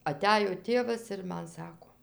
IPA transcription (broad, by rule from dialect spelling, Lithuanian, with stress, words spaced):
ɐˈtʲæjoː ˈtʲeːʋɐs ɪr ˈmɐn ˈsɑːkoː